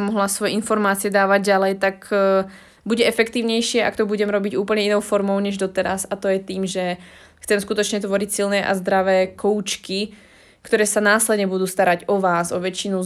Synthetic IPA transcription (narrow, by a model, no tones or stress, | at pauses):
mɔɦlasʋɔjɛinfɔɾmaːt͡siɪɛd̪aːʋaɟɟalɛjt̪ak | buɟɛɛfɛkt̪iːʊɲɛjʃɪɛʔa̰kt̪ɔbuɟɛmɾɔbiɟuːpl̩ɲɛinɔʊfɔɾmɔʊɲɛʒd̪ɔt̪ɛɾasat̪ɔjɛt̪iːmʒɛ | xt͡sɛmskut̪ɔt͡ʃɲɛt̪ʋɔɾicsilnɛːʔa̰zd̪ɾaʋɛːkɔʊt͡ʃki | kt̪ɔɾɛːsanaːslɛd̪ɲɛbud̪uːst̪aɾaɟɔʋaːzɔʋɛt͡ʃinu